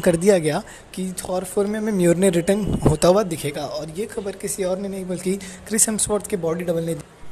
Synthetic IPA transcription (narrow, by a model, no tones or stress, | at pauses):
kɐɾd̪ijaɡɐja | kiɔːɾfoːɾmijamẽmjuːɾneɾɪʈənɦoːt̪aɦuwad̪ɪkʰeːɡaʔɔːɾjexɐbəɾkɪsiɔːɾnẽnɐɦĩbɐlkikɾɪsəmswoɾt̪ʰkebɔːɖiɖɐbəlnẽd̪